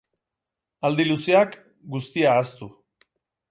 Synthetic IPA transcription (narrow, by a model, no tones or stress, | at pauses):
ald̪ilusiak | ɡust̪iaːst̪u